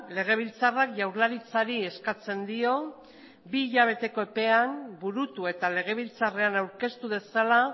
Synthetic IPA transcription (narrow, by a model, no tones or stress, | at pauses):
le̞ɣ̞e̞β̞ilt͡sarakʝawɾlaɾit͡saɾie̞skat͡se̞nd̪io̞ | biːʎaβ̞e̞t̪e̞ko̞e̞pe̞ambuɾut̪ue̞t̪ale̞ɣ̞e̞β̞ilt͡sare̞anawɾke̞st̪uð̞e̞sala